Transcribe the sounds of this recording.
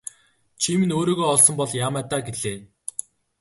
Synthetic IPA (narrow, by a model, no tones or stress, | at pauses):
t͡ɕʰimĭnoːɾoːɣoːɔɮsɞ̆mpɔɮjaːmæːt̪aːɡeɮeː